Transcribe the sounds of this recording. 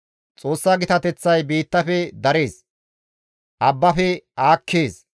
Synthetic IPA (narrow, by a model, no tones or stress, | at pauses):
t͡sʼo̞ːsːaːɡɪt̪ɐt̪ɛt͡sːɐjbiːt̪ːɐfɛd̪ɐɾe̞ːs | ʔɐbːɐfɛaːkʰːeːs